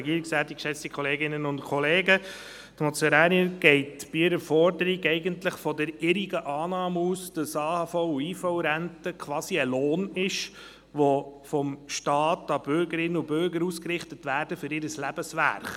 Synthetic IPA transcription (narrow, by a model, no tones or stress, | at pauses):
ɡiːɾiksæːtikʃɛt͡stikʰχɔleːɡɪnənʊntkʰɔleːɡə | t̪mɔt͡sɛɾæːniəɡɛɪtb̥iɪɾəfɔɾdəɾiɡɛɪɡəntləχfɔdəɾɪɾiɡəʔɑːnɑːmuːsd̥ɑsɑːhɑːfɔʊuiːfɔʊɾæntəkʰʋɑːsiəloːnɪʃ | ʋɔfɔmʃtɑːtɑb̥ʏɾɡəɾɪnːəubʏɾɡəɾuskrɪχtətʋæːɾd̥əfʏɾɪɾəslæb̥əsʋæ̰ɾχ